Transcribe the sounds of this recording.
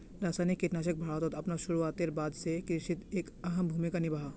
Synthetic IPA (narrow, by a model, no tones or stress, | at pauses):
ɾaːsaːnikːeʈ̪naːʃək̚bʱaːɾɔt̪ɔt̪ɐpnaʃʊɾuaːt̪eɾbaːd̪sekɾɪʃit̪eːkɐɦəmbʱuːmikanɪbaːɦa